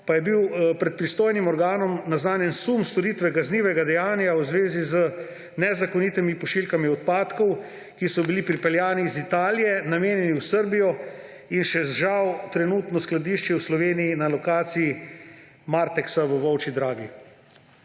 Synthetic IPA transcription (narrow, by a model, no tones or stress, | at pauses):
pajɛbiwpɾɛt̪̚pɾist̪oːjnimɔɾɡaːnɔmnaznaːnjɛnsumst̪ɔɾit̪ʋɛkazniːʋɛɡad̪ɛjaːnjawzʋeːzizə | nɛzakɔnit̪imipɔʃilkamiɔt̪̚paːt̪kɔw | kisɔbilipɾipɛljaːniːzit̪aːlijɛnameːnjɛniwsəɾbijɔ | inʃɛzʒawt̪ɾɛnuːt̪nɔsklad̪iːʃt͡ʃjɛwslɔʋeːnijinalɔkaːt̪siji | maːɾt̪ɛksaʋəʋɔwt͡ʃid̪ɾaːɡi